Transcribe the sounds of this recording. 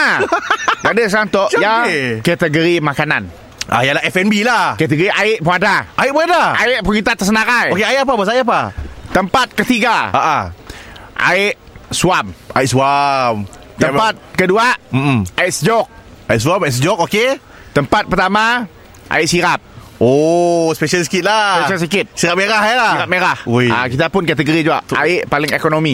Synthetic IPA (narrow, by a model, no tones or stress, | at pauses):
a | adəs̬ant̪ɔʔjakɛt̪əɡəɾimãkana̰n | ʔa̰jalaɛfɛnbilahkɛt̪əɡəɾiʔaɪʔ̚pəadaʔait̚pəadaaɪʔ̚pəkit̪at̪əsənaɾajokeaɪʔap̬abas̬ajap̬at̪əmpat̪̚kət̪iɡaaʔa | ʔa̰ɪʔ | suamaɪt̪̚suam | t̪əmpat̪̚kəduaʔm̩m̩aɪʔsəd͡ʒɔk̚ | aiʔsuwamas̬d͡ʒɔk̚oke | t̪əmpat̪̚pərt̪ama | ʔa̰ɪʔsiɾap̚ | ospeʃalsi̥kɪt̪̚laseʃals̬ikɪt̪̚siɾap̚meɾahjalasiɾap̚meɾahuja̰kit̪apʊnkat̪əɡoɾid͡ʒuaʔa̰ɪʔpalɪŋekonomi